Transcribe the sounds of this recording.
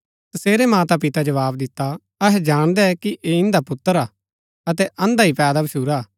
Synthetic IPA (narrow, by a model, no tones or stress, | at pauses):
t̪ɐseːɾemãːt̪apɪt̪ad͡ʒɐʋaːbd̪ɪt̪ːa | ɐɦɛd͡ʒaːɽ̃d̪ɛɛkiʔeɪ̃nd̪apʊt̪ːəɾaː | ɐt̪ɛʔɐ̃nd̪aɦipɛːd̪abɐʃuːɾaː